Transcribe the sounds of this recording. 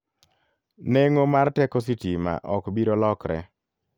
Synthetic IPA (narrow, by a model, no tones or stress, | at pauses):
neŋomaɾtɛkos̬itima̰ʔɔkbiɾolɔkɾɛ̰